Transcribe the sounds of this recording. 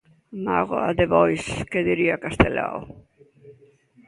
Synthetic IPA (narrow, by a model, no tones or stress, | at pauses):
ma̰ɣoa̰ðeβɔjskeðiɾiakast̪ela̰wo